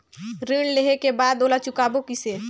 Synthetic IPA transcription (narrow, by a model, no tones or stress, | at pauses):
ɾeːɽleɦekebaːd̪oːlat͡ʃʊkaːbokɪseː